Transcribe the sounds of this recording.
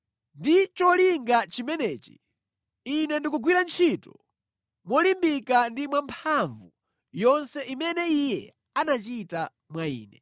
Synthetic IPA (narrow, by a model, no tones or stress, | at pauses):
ndit͡ʃɔliŋɡat͡ʃimɛnɛːt͡ʃi̥̰ | inɛndikuɡwiɾant͡ʃʰitɔ̥ | mwɔlimbikandimwampʰaɱvu | jɔnsɛʔimɛnɛijɛ | anat͡ʃita | mwaḭːnɛ